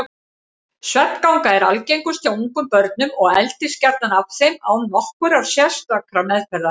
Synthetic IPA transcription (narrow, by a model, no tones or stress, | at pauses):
svɛt̪kawŋkaɛɾa̰lcejŋkʏst̪ʰauŋkʏmpœɾt̪nʏmɔɣɛ̰lt̪ɪ̥scɛɾt̪anavθejmawnnɔhkʏɾaɾ̥sjɛst̪akɾamɛðpɛɾða